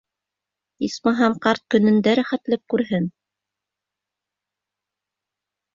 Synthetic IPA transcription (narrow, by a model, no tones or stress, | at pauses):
ismɑɦɑmqɑɾt̪̚kɵ̆nɘ̆nd̪æɾæχæt̪ɘ̆lɘp̚kʉɾɦɘn